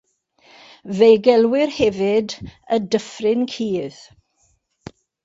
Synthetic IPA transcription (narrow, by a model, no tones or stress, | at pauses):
vejɡɛlˠwɪrhɛvɪd | ədəfrɪnkʰiːð̥